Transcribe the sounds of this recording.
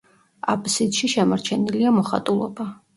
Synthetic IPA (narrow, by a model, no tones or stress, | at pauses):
a̰pʼsid̪̥ʃiʃɛmaɾt͡ʃʰɛniliamɔχa̰t̪ʼulˠɔ̰ba